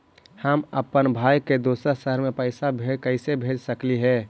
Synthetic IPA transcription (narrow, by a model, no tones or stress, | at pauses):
həməpənbʱaːjked̪oːsəɾsəɦəɾmẽpəɪsabʱeːkəɪsebʱeːd͡ʒsəkliɦɛː